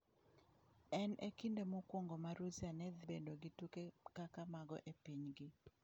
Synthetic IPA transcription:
ɛnekindemokwoŋɡomaɾuzianɛd̪bendoɡitukekakamaɡɔ̰ʔepiɲɡɪ

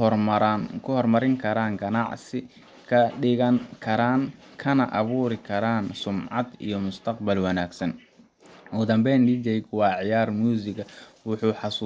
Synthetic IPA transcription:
kʰʊhɔrmɐɾɪŋkʰɐɾaːŋɡɐnɑʕsɪ | kʰɐɪɣɐnkʰɐɾaːn | kʰɐnɐʔɐβuːɾɪkʰɐɾaːnsʊmʕɑ̰d̪ḭjɞmʊst̪ʰɐqbɐlwɑnaːɡsɐn | ɔːd̪ɐmbɛnɖid͡ʒɛjkwɑːʕɪjaːrmjuːsɪɡɐwʊħuːħɑsu

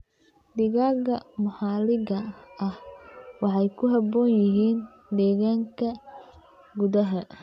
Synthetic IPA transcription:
d̪ɪɣaːɣɐmʊħɑːlɪɣɐɐhwɑħɑjkʰʊɦɐbɔːnjɪɦiːn | d̪ɛːɣaːŋkʰɐ | ɡʊðɐɦɐ

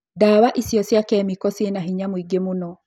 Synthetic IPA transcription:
dawaʔisjɔsjakɛmikɔsenaɦiɲamwiɡemunɔ

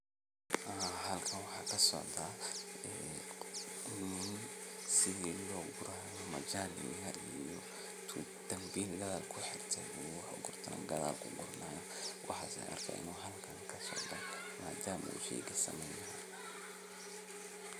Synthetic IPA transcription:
aɦɐlkʰɐnwɑħɑːkʰɐsɔ̰ʕd̪aːɛː | nuʊnsɪðiːlɔːɡʊɾajɔmɐd͡ʒaːlɪ̰ɣɐʔijɔ | t̪ʰ | d̪̥ɐmbiːnlɐðɐlkʰʊħɪrt̪ʰɛjuwħʊɡʊrt̪ʰɐnʔɐ̰ɡɐða̰ːlkʰʊ̰ɡʊrnaːjɐ | wʔɑ̰ħa̰sɛ̰jʔɐ̰rkʰɐʔɪ̰nuːɦɐlkʰɐŋkʰɐsɔ̰ʕd̪ɔ̰ | ma̰ːd̪aːmɐ̰ṵːʃɛ̰ɡɐsɐ̰mɛjnɾa

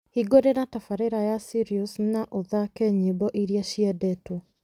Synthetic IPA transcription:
hiɡoɾeɾatafaɾeɾajasiɾiusnaʔoðakɛɲibɔʔiɾiaʃiɛdɛtɔ

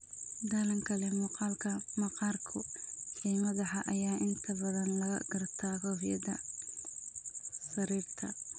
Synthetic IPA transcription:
d̪ɐlɐŋkʰɐlɛmʊqɑːlkʰɐmɐqɑːrkʰʊħiːmɐðɐħɑʔɐjaːʔɪnt̪ʰɐbɐðɐnlɐɣɐ̰ɡɐrt̪ʰaːkɔhjɐ̰dɐ | sɐɾiːrt̪ʰɐ

